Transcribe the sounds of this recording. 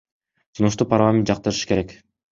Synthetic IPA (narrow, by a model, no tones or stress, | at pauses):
sunuʃ̬t̪uparɾlˠamʲent̪d͡ʒɑq̚t̪ɯɾɯʃɯ̥ke̞ɾek